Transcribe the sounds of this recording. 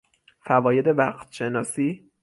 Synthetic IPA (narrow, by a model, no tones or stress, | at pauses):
fævɒːje̞d̪e̞væqt̪ʰʃe̞nɒːsiː